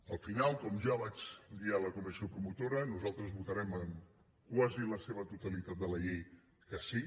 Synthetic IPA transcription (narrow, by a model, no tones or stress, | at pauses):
əlˠfinalˠkɔmʒaβad͡ʒd̪ialəkumisiopɾumut̪oɾənuzalˠt̪ɾəzβut̪əɾɛməŋ | kwaziləseβət̪ut̪əlit̪at̪̚d̪ələʎej | kəsi